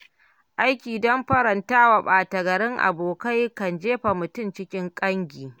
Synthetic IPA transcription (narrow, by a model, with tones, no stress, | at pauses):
ʔa˦jkʲiː˨dɔ˦mɸɐ˦ɾɐ˨ntaː˦wa˨ɓaː˨tɐ˨ɡɐ˨ɾɪ˦ŋʔa̰˨boː˨ka˦jkɐ˨nd͡ʒeː˦ɸa˨mʊ˨tʊ˦˨mt͡ʃɪ˦kʲɪ˦ŋkʼɐ˦ŋɡʲiː˨